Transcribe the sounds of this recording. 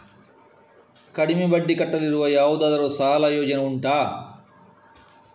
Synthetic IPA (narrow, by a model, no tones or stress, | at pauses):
kɐɽimebɐɖːikɐʈːɐliɾuʋɐjaːwud̪ɐd̪ɐɾoːsaːlaːjoːd͡ʒɐnɐuɳʈaː